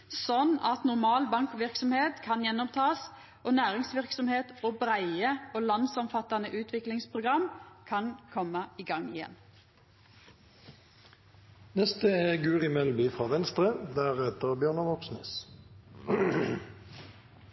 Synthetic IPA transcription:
sɔnɑt̪nʊɾmɑːlbɑŋkʋɪʁksɔmheːt̪kʰɑnjɛnːɔmt̪ʰɑːs | ʔoːnæːʁɪŋsʋɪʁksɔmheːt̪oːbʁæɪəoːlɑnd̪sɔmfɑt̪ːɑnəʔʉːt̪ʰʋɪklɪŋspʰʁʊɡʁɑmkʰɑnkʰɔməiːɡɑŋɪjɛ̰n | nɛst̪əeːɡʉːʁɪmɛlbyfʁɑːʋɛnst̪ʁəd̪æːʁɛt̪əʁbjøːʁnəʋɔksnɪs

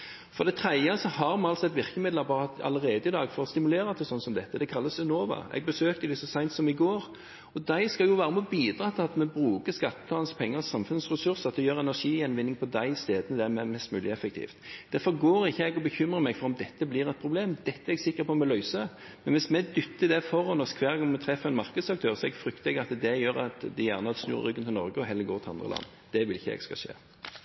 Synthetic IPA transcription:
fɔɾd̪ɛɪt̪ʰɾæɪəsɔhɑɾmɑɑlt̪sɔɛt̪ʋɪʁkəmɪd̪ləɑbɑt̪ɑ̰ləʁeːd̪əɪd̪ɑːɡfɔɾɔst̪ɪmʉleːɾɑt̪ʰːəsɔnsɔmd̪ɛt̪ːəd̪ɛkʰɑlːəsɛnoːʋɑ̰ɛ̰ɡ̚bəsøːkt̪əd̪ɪsɔsæɪnt̪sɔmɪɡoːɾ | ɔd̪æɪskɑljʊʋæːɾəmɛbiːd̪ɾɑːt̪ʰɪlɑt̪mɛbɾʉːkəskɑt̪ːə̥t̪ʰɑːnspʰɛŋːəʁsɑmfʉnsʁɛsʉɾsəɑt̪ːjøːɾɛnæʂiːjɛnʋɪnːɪŋpʰɔd̪æɪɪst̪eːd̪ənəd̪ɛæɾmɛmɛst̪mʉːlɪɛfək̚t̪ʰḭːft̪d̪̥æɾfɔɡoːɾɪçːəɛɡɔbəçʏmʁəmɛɡfɔɾɔmd̪ɛt̪ːəblɪʁɛt̪̚pʰɾʊbleːmd̪ɛt̪ːəɛɛɡsɪkːəɾpʰɔmɛlœʏsə | mɛnʋɪsmɛd̪ʏt̪ːəɪd̪ɛfɔɾɔnɔskʰʋæːɾɡɔŋmɛt̪ʰɾɛfːəɛnmɑɾkəd̪sɑk̚t̪ʰøːʁsɔɛɡfɾʏkt̪ʰɛɡəɾɑt̪d̪ɛjøːɾɑt̪d̪ɪjæ̰ʁnəɑt̪snʉ̰ːɾə̰ɾʁʏɡːənʰɪlɔɾɡəɔɦɛlːəɡoːʁt̪ʰɪɑ̰nd̪ʁəlɑ̰nː | d̪̥ɛʋɪlɪçːəɛ̰ɡ̥skɑ̰ʃḛː

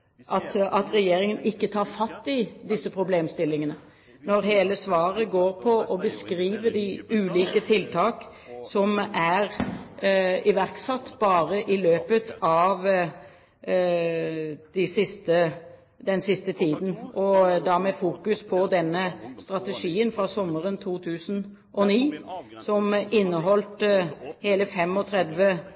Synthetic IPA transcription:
ʔɑt̪ɑt̪ɾɛjeːɾɪŋənɪkːət̪ʰɑːɾfɑt̪ːɪd̪ɪsːəpʰɾʊbleːmst̪ɪlːɪŋənə | nɔɾɦeːləsʋɑːʁəɡoːɾpʰɔʔɔbəskɾiːʋəd̪ɪʉːliːkət̪ʰɪlt̪ʰɑːk | sɔmæɾ | ɪʋæɾksɑt̪ːbɑːɾəʔɪløːpət̪ɑʋ | d̪̥ɪsɪst̪ə | d̪ɛnsɪst̪ət̪ʰiːd̪n̩ʔɔd̪ɑmɛfuːkʉspʰɔd̪ɛnːəst̪ɾɑt̪əʂiːənfɾɑsɔmːəɾənt̪ʰuːt̪ʰʉːsn̩ | ʔɔniːsɔmɪnːəɦɔlt̪heːləfɛmɔt̪ʰɾɛd̪ʋə

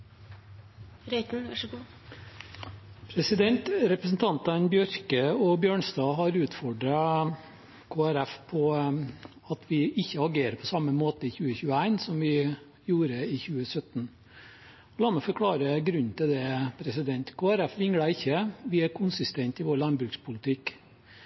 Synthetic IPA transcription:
ɾɛt̪n̩ɡ | pʰɾɛsɪd̪ɛnt̪ɾɛpɾəsn̩t̪ʰɑnt̪ɑnbjœɾkəɔbjøːɳst̪ɑːɦɑɾʉːt̪fɔɖɾɑ | kʰoːæɾæfpʰɔ | ɑt̪ʰʋɪɪçːəɑɡeːɾəpʰɔsɑmːəmoːt̪əɪçʉːəçʉːəæɪnsɔmʋɪ | juːɾəɪçʉːəsœt̪ːn | ɔlɑːmɛfɔɾkʰɽɑːɾəɡɾʉnːt̪ɪld̪ɛpʰɾɛsɪd̪ɛnt̪kʰoːæɾæfʋɪŋɡɽɑɪçːəʋɪæɾkʰʊnsɪst̪ɛnt̪ɪʋoːɾlɑnbɾʉːkspʰʊlɪt̪ʰɪk

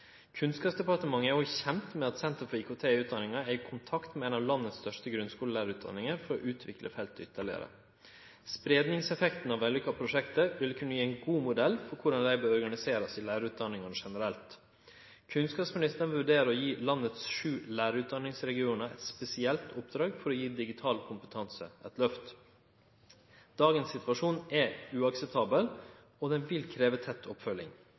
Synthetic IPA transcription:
kʰʉnskɑːpsd̪ɛpɑɾt̪əmɑŋːəɔçɛmt̪mɛɑt̪sɛnt̪əɾfɔɾiːkʰʊt̪ʰeːʉːt̪̚d̪ɑnɪŋɑɛɪkʰʊnt̪ʰɑkt̪mɛɛnɑːʋlɑnːət̪st̪œʂt̪əɡɾʉnskuːləlæːɾəʉːt̪d̪ɑ̰nːɪŋəɾfɔɾɔʔʉːt̪ʰʋɪklʔə̰fɛlt̪ːʏt̪ʰːəɭɪ̰ə̰ɾə̰ | spɾeːd̪nɪŋsɛfɛkt̪n̩ɑʋɛlʏkːɑpʰɾʊʂɛkt̪əʋɪlkʰʉnːəjiːæɪnɡuːmʊd̪ɛlːfɔɾkʰʊɖɑnlæɪbøːɾɔɾɡɑnɪseːɾəsɪlæːɾəʉːt̪̚d̪ɑnːɪŋɑnʂɛnəɾɛlt̪ | kʰʉnskɑːpsmɪnɪst̪ən̩ʋʉɾɖeːɾəɾɔjiːlɑnːət̪sʂʉːlæːɾʉːt̪̚d̪ɑnːɪŋsɾɛɡɪuːnəɛ̰t̪spɛsɪɛlt̪ʰɔpd̪ɾɑːɡfɔɾɔjiːd̪ɪɡɪt̪ʰɑːlkʰʊmpə̥t̪ʰɑnsə̰ʔɛt̪lœft̪ | d̪̥ɑːɡənsːɪt̪ʋɑʂuːnɛʉːɑksɛp̚t̪ʰɑːbəl | ɔd̪ɛnʋɪlkʰɾeːʋət̪ʰɛt̪ʰːɔpfœlɪ̰ŋ

